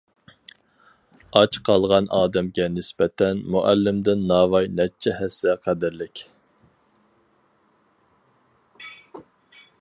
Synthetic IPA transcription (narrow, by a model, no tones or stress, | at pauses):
ɑt͡ʃqʰɑlˠʁɑnɑːd̪ɛmɡʲɛnɪspɛt̪ʰɛnmuʔælːɪmd̪ɪnːɑːvɑjnɛt͡ʃʰːɛhɛsɛqʰæd̪ɪɾlɪkʲ